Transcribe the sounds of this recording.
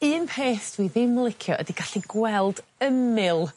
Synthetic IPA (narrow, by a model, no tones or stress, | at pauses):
ɨːnpʰeːθd̥wiðɪməlˠɪkʰjɔʔə̰diɡ̥aɬiɡwɛlˠd̥əmɪlˠ